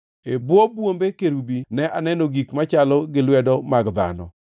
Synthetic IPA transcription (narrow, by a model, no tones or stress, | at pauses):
ebwobwombekeɾubinɛʔanɛnoɡikmat͡ʃalɔɡɪlwɛdɔmaɡd̪a̰nɔ̰